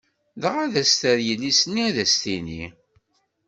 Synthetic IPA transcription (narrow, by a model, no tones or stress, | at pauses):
ðəʁæðæst̪əɾjəlːisnːiæðæst̪inḭ